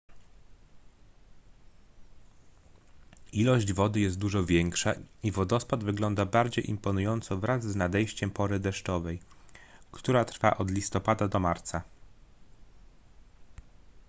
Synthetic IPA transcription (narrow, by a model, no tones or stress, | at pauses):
ilɔʑd͡ʑvɔd̪ɘjɛst̪̚d̪uʐɔvʲjɛŋkʂaivɔd̪ɔspad̪vɘɡlɔnd̪abaɾd͡ʑejʔimpɔnujɔnt̪sɔvɾazznad̪ɛjɕt͡ɕɛmpɔɾɘd̪ɛʂt͡ʂɔvɛjkt̪uɾat̪ɾfa̰ʔɔd̪lʲist̪ɔpad̪ad̪ɔmaɾt̪sa